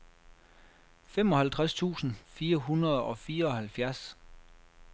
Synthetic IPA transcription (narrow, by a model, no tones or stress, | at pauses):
fem̰ɒ̽hælt͡sʰʁast͡sʰṵːsn̩fiːɐɦunɐðˠɒ̽fiːɐɒ̽hælfjæɐs